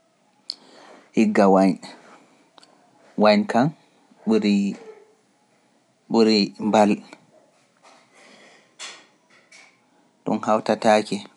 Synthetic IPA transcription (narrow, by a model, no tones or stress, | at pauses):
ʔiɡːawaɲ | waɲkan | ɓuɾi | ɓuɾimbal | ɗṵnhawtataːkɛ